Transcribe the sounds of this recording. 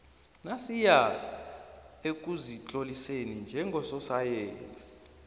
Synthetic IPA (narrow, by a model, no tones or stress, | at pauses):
nasija | ek̬ʼuzit͡ɬʼolisenind͡ʒʱɛŋɡʱɔsɔsajɛːnt͡sʼi̥